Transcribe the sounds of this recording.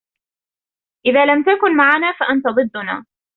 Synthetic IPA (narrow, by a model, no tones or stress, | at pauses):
ʔɪðaːlamt̪akʊnmaʕanaːfaʔant̪ɑd̪ˤɨd̪ːʊna̰ː